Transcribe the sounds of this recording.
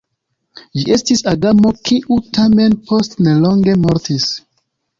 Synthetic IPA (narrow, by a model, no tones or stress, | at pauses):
d͡ʒiʔe̞stisaɡamo̞kiʔutame̞npo̞stnelo̞ŋɡe̞moɾtis